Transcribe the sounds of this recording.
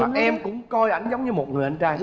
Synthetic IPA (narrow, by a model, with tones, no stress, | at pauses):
ɛ˧mkʊ̰˧˥ŋ͡mkɔ˧jʔa˧˩jŋ̟zə˨˦wŋ͡mɲɨ˧mo˨˩t̚ŋɨ˨˩ʔa˧nt͡ɕaː˧j